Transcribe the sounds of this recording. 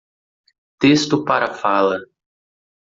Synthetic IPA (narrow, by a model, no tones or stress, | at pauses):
t̪est̪ʊpaɾɐfalɐ